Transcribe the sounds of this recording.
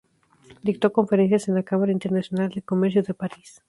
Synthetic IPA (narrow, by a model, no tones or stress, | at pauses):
d̪ikt̪o̞ko̞ɱfe̞ɾe̞nsjase̞nlakamaɾaint̪e̞ɾnasjo̞nald̪elko̞meɾs̬jo̞ðe̞paɾis